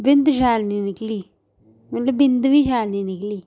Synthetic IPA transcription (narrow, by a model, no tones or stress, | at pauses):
bɪnd̪ʃ̬aːlniːnɪkliː | mɐt̪ləbɪnd̪ʋiːʃaːlniːnɪkliː